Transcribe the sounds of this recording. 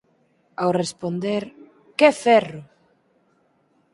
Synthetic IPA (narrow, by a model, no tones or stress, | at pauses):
awrespond̪eɾ | kefɛrʊ